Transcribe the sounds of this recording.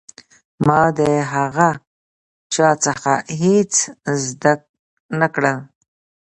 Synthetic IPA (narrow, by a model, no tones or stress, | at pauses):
mɑd̪əɦaɣa | t͡ʃɑt͡səxa̰ɦet͡szd̪ak̚ | nakɽəl